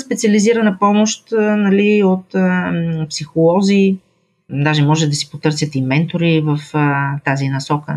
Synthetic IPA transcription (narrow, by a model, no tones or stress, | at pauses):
spɛt̪siɐliziɾɐnəpɔmoʃt̪nɐliot̪əpsixolˠɔzi | d̪aʒɛmɔʒɛd̪ɐsi̥pot̪ɤɾsjət̪imɛnt̪oɾivəft̪azinɐsɔkə